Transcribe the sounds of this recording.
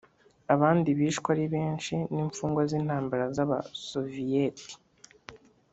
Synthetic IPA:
aβaːndiβiːʃkwaɾiβeːnt͡ʃiniːɱfuːŋɡwazinhaːmbaɾazaβasovijeti̥

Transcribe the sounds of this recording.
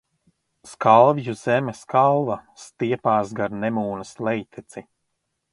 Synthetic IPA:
skalˠvjuz̥ɛmɛskalˠvɐst̪iɛpaːsɡaɾnɛmuːnɐslɛjt̪ʰɛt̪si

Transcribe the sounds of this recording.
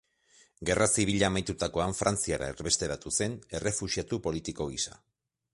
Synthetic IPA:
ɡe̞rasiβiʎamajt̪ut̪ako̞aɱfɾant͡siaɾa̰eɾβe̞st̪e̞ɾat̪use̞ne̞re̞fuʃiat̪upo̞lit̪iko̞ɣisa

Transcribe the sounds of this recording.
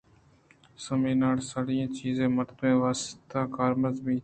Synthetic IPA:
səmĩːnaːɽsaɽiãːt͡ʃiːzẽːməɾt̪ẽːʋaːst̪aːkaːɾməzbĩː

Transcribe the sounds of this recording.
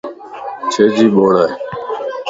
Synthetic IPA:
t͡ʃʰeːd͡ʒiːɓoːɽaːɦeː

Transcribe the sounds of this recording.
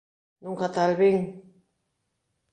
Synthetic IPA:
nuŋkat̪alβiŋ

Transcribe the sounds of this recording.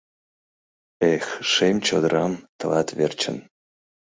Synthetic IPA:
exʃemʲt͡ɕod̪ɾɑmt̪ɤ̆lɑt̪vert͡ɕə̰̆n

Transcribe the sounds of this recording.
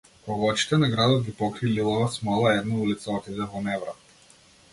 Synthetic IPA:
pɔɡɔt͡ʃi̥t̪ɛnaɡɾad̪ɔd̪ɡʲipɔkɾililˠɔvasmɔlˠaɛd̪naulit̪saɔt̪id̪ɛvɔnɛvɾa

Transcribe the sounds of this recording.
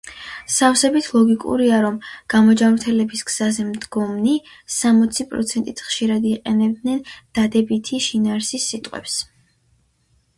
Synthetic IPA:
safsɛbit̪ʰlˠɔɡikʼṵɾiaɾɔmɡ̥amɔd͡ʒamɾt̪ʰɛlɛbisɡz̥azɛmd̪ɡɔmni | samɔt̪sʰipʼɾɔ̰t̪sʰɛnt̪ʼit̪ʰχʃiɾad̪iqʼɛnɛb̚d̪nɛnd̪̥ad̪ɛbit̪ʰiʃinaːɾsisːit̪ʼqʼwɛ̰ps

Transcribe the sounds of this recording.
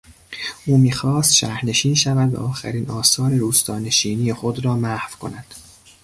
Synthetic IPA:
ʔuːmiːxɒːst̪ʃæhɾne̞ʃiːnʃævæd̪væ̰ʔɒːxæ̰ɾiːnɒːsɒːɾeɾuːst̪ɒːne̞ʃiːniːjexod̪ɾɒːmæhvkʰo̞̰næd̪̥

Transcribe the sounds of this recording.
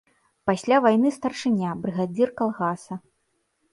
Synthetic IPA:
pasʲlʲavajnɨst̪ɐrʂɨnʲabɾɨɣad͡zʲirkalˠɣasɐ

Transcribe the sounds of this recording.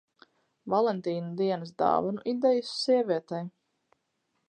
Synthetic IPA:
valˠɛnt̪iːnud̪iɛnɨs̬d̪a̰ːvanuʔid̪ɛjusːiɛvʲiɛt̪aj

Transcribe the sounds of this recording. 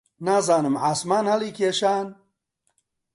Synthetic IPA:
naːzaːnɨmʕaːsmaːnhɐliːkʰeːʃaːn

